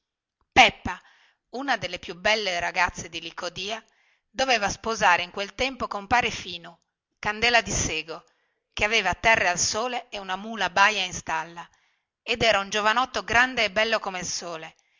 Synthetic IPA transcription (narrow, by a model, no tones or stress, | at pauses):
pɛpːa | unad̪elːepjubːɛlːeɾaɡat̪sːed̪ilikod̪iːa | d̪oveːvaspozaːɾeiŋkwelt̪ɛmpokompaːɾefiːno | kand̪ɛːlad̪iseːɡo | keaveːvat̪ːɛrːealsoːleeunamuːlabajainst̪alːa | ed̪ɛːɾaund͡ʒovanɔt̪ːoɡɾand̪eːbːɛlːokomealsoːle